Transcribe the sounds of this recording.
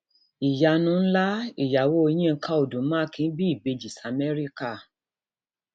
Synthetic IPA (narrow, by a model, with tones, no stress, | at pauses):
i˨ja˨˧nũ˨˦n̩˦la˦i˨ja˨wo˦˧i˧˦j̃ĩ˦˧ŋ̩˦kʰa˦o˨dũ˨˦mã˦kĩ˧n˦bi˦i˦˨be˧d͡ʒi˨sa˧mɛ˦ɾi˦ka˦˨